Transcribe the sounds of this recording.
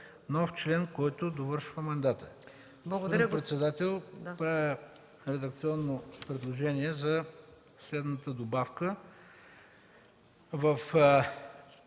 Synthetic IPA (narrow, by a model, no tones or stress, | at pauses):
nɔft͡ʃlɛnkɔjt̪ʊd̪ovəɾʃvəmɐnd̪at̪ə | d̪pɾɛt̪sɛd̪at̪ɛlˠpɾavə | ɾɛd̪ɐk̚t̪siɔnːopɾɛd̪lˠoʒɛniɛzɐ | slɛd̪nət̪əd̪obafkə | vəf